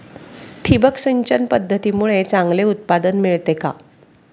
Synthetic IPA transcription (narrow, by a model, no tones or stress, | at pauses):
ʈʰibəksəɲt͡ɕənpəd̪ʱːət̪iːmuɭet͡sãŋɡleut̪̚pad̪ənmiɭt̪eka̰